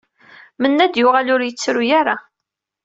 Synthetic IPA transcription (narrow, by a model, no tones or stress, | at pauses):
mənːæd̪jʊʁalʊɾjət͡sːɾujaɾa